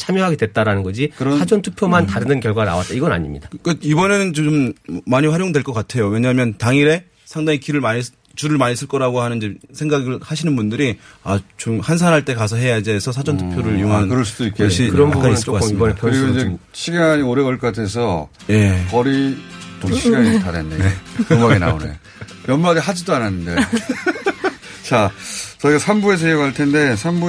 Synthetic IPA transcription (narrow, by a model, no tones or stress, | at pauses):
t͡ɕʰamjʌɦaɡedwe̞t̚t͈aɾanɯnɡʌd͡ʑikɯɾʌssʰad͡ʑʌntʰu̥pʰjomantaɾɯnɯnkjʌɭɡwana̰wa̰t̚t͈aiɡʌna̰ɲimɲḭd̥ak͈aibʌne̞nɯnt͡ɕommaɲiɸwaɾjoŋdweɭk͈ʌk͈atʰe̞jowe̞ɲaɦamjʌntaŋiɾe̞ | sʰaŋdaŋikiɾɯɭmaɲis | t͡ɕuɾɯɭmaɲis͈ɯɭk͈ʌɾaɡohanɯnd͡ʑesʰe̞ŋɡaɡɯɭhaɕʰinɯnbundɯɾiat͡ɕomhans̬ʰanɦaɭt͈e̞kasʰʌɦe̞jad͡ʑiesʰʌsʰad͡ʑʌntʰɯ̥pʰjoɾɯjoŋɦanɯnkɯɾʌɭs͈udoik͈eɕʰikɯɾʌmakaɲis͈ɯʌkasʰɯɾiɡoid͡ʑe | ɕʰiɡaɲioɾe̞wʌɭk͈atʰe̞sʰʌ | je̞kʌɾit͡ɕomɕʰiiɡaɲitadendekmaɡina̰onḛ | jʌnmadiɦad͡ʑidoananːɯnde | t͡ɕat͡ɕʌiɡasʰambue̞s̬ʰʌieɡɦaɭtʰe̞nde̞sʰambu